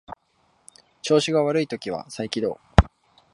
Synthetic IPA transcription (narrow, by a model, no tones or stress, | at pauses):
t͡ɕo̞ːɕiɡaβaɾɯ̟it̪o̞kʲiβ̞a̰saikʲid̪o̞̰ː